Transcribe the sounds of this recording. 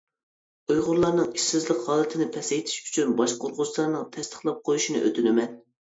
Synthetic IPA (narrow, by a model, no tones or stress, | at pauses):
ujʁʊɾlˠɑɾnɨŋiʃsɪzlɪkhɑːlˠɨt̪ʰɪnɪpʰɛsɛjt̪ʰɪ̥ʃy̥t͡ʃʰynbɑʃqʰoɾʁʊzt̪ɑɾnɨŋt̪ʰɛst̪ʰə̥χlˠɑp̚qʰojuʃinɨ̰ʔø̰t̪ʰynɪmɛn